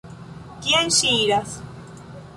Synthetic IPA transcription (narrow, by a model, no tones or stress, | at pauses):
kjenʃiɾas